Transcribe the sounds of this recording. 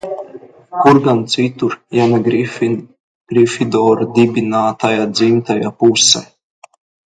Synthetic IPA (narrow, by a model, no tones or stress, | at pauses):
kuɾɡant̪sit̪uɾjanaɡ | ɡ̥ɾifid̪ɔːɾad̪ibʲinaːt̪ajad̪zimt̪ajapusɛ